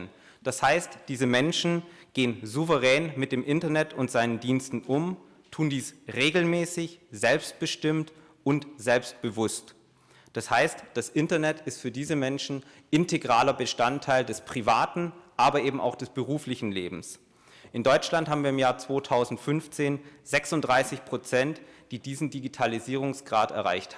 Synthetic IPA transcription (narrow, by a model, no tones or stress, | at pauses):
n | d̥ashaɪstd̥iːzəmɛnʃn̩ɡ̥eːənzuvəʁ̞ɛːnmɪt̚d̥eːmʔɪntɐnɛtʊntz̥aɪnəndiːnstn̩ʔʊm | tʰuːndiːsʁeːɡl̩mɛːsɪçz̥ɛlpst̚b̥əʃtɪmt | ʊntz̥ɛlpst̚b̥əvʊst | d̥ashaɪstd̥asʔɪntɐnɛtɪstfyːɐdiːzəmɛnʃn̩ | ʔɪntʰeɡʁaːlɐbəʃtantʰːaɪldɛspʁ̥ivaːtn̩ʔaːbɐʔeːbm̩ʔa̰ʊxd̥ɛsb̥əʁuːflɪçn̩leːbm̩s | ʔɪndɔʏt͡ʃlanthɦaːbm̩viːɐɪmjaːɐt͡sv̥oːtʰaʊzn̩tfʏnft͡seːnz̥ɛksʊntd̥ʁaɪsɪçpʁ̥ot͡sɛntd̥iːdiːzn̩diɡitʰaliziːʁ̞ʊŋsɡ̥ʁaːtɛ̰ɐʁa̰ɪçtha